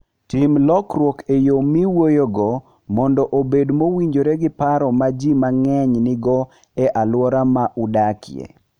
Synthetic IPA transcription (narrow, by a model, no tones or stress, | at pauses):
timlɔkɾwɔkejomiwojoɡɔ | mɔndɔʔobedmowiɲd͡ʒoɾeɡɪpaɾɔmad͡ʒimaŋɛɲnɪɡɔ | ɛʔalwɔɾamaʔudakɪ̰ḛ